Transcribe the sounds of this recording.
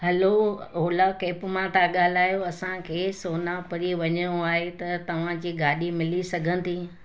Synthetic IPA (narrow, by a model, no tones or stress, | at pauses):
ɦɐlooːlakeːpmãt̪ʰaɠaːl̤aːjoɐsãkʰeːsoːnãpɐɾiʋɐɲəjoaːɦet̪ɐt̪ɐʋ̤ãd͡ʑiːɡaːɗimɪlisɐɡʱənɪ̆t̪ʰiː